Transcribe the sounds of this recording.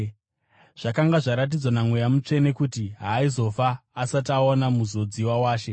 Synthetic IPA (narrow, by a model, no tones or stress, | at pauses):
ʐ̥akaŋɡaʐaɾat̬id͡zwanamwejamut͡ʂe̞ne̞kutiɦaːizo̞faːsataonamuzo̞d͡ziwawaːʃe̞